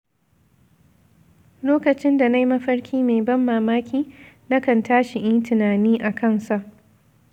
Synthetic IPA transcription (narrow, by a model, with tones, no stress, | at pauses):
loː˦kɐ˨t͡ʃɪ˦nda˨na˦jmɐ˦ɸɐ˦ɽkʲʰiː˦meː˨bɐ˦mːaː˨maː˦kʲiː˦ | na˦kɐ˨ntaː˦ʃi˨ʔɪ˦ntɪ˨naː˨niː˦ʔa˨kʰɐ˦˨nsa˦˨ʔ